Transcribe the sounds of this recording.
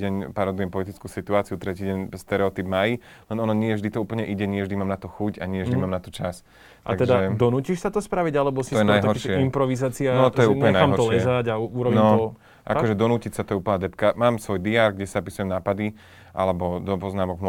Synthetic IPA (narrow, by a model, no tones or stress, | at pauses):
ɛɲpaɾɔd̪ujɛmpɔlit̪it͡skuːsit̪uaːt͡siut̪ɾɛciːɟɛɲst̪ɛɾɛɔt̪ibmajilɛnɔnɔɲɪɛvʒd̪it̪ɔuːpl̩ɲɛʔiɟɛɲɪɛvʒd̪imaːmnat̪ɔxucaɲɪɛvʒd̪imaːmnat̪ɔt͡ʃas | t̪a̰aɡt̪ɛʒd̪aɛd̪ɔnuːciʃsat̪ɔspɾaʋiɟalɛbɔsiɔjɛnajɦ̪ɔɾʃɪɛimpɾɔʋizaːt͡sianɔt̪ɔjɛulˠɲɛnaamɦɔɾt̪ɔllɛɛzaɟauuɾɔbinɔɔ | ʔa̰kɔʒɛd̪ɔnuːcicsat̪ɔjɛuːpl̩ɲad̪ɛpkamaːmsʋɔjd̪iaɾɡɟɛsapisujɛmnaːpad̪i | ʔa̰lɛbɔd̪ɔpɔznaːmɔɡm